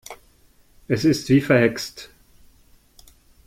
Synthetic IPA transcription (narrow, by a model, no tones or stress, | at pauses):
ʔɛsɪstv̥iːfɛɐhɛkst